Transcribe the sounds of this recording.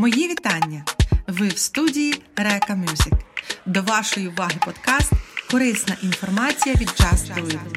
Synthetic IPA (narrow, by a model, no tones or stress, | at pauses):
mɔjiʋʲit̪ɑnʲːɐʋɪwst̪udʲijiɾɛkɐmʲjuzɪkd̪ɔʋɑʃɔjiʊʋɑɦɪpɔd̪kɑst̪kɔɾɪsnɐʔinfɔrmɑt͡sʲijɐʋʲid̪t͡ʃɑsuje